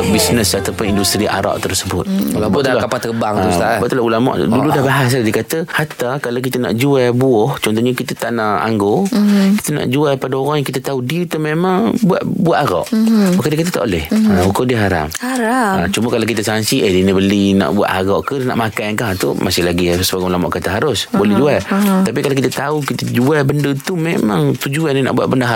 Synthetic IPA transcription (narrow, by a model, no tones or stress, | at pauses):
bisnəsat̪awpʊnindust̪ɾiʔa̰ɾa̰ʔt̪ərsəbʊt̪̚abtdlakapat̪əbaŋaabaʔt̪ulahulama̰ʔduludahbaɦas̬adiəkat̪əhat̪akalawk̬it̪ana̰ʔd͡ʒuabuɔht͡ʃɔnt̪ɔhɲakit̪at̪aʔnaʔa̰ŋɡoki̥t̪ana̰ʔd͡ʒuapadaoɾaŋjaŋkit̪at̪audiut̪əmemaŋbua̰t̪̚buaʔ̪aɣɔ̰ʔmakadiəkat̪at̪a̰ʔolɛhaukadiəɦaɾa̰p̚haɾat͡ʃuməkalak̬it̪asaŋsiʔədinibəlina̰ʔbua̰ʔ̪haɣɔʔkəna̰ʔmakajnkaɦt̪ṵmasɪhlaɡisəbaɡmlamɔ̰ʔkat̪aɦaɾʊsbolɛd͡ʒualt̪ap̬ikalawkit̪at̪aukit̪ad͡ʒuabəndət̪umemaŋt̪ud͡ʒuanina̰ʔbua̰ʔ̚bəndaɦa